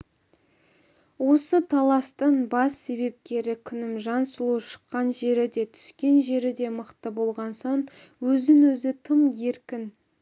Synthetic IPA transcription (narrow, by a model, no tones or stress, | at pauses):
wo̞sət̪ʰɑlˠɑst̪əɴbɑsːe̞βe̞p̚kʲe̞ɾɪkʲʰʏnɪmʒɑnsəlˠuʃə̥qːɑnʒe̞ɾɪd̪e̞t̪ʰʏ̥skʲe̞nʒe̞ɾɪd̪e̞məqt̪əbo̞lˠʁɑnson | wɵzɪnwɵzɪt̪ʰəmje̞ɾkʲɪn